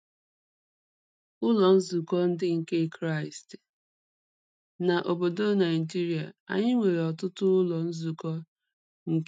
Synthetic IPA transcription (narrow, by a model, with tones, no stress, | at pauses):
ʊ˦lɔ˨n̩˦zu˨kɔ˦n̩˦dɪ˦ŋ̩˨ke˦kɾa˦ɪ˨st | na˨ʔo˨bo˨do˦na˨ɪ˨d͡ʒi˦ɾi˨a˨a̰˨ɲɪ˦ŋʷe˨ɾe˨ɔ˨tʊ˦tʊ˦ʊ˦lɔ˨n̩˦zu˨kɔ˦ | ŋ̩˨k